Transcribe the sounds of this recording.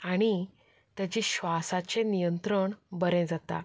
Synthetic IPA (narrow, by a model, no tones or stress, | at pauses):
aɽ̃i | t̪jat͡ɕiːɕʋasat͡ɕenijənt̪ɾəɳbəɾɛ̃d͡zat̪a̰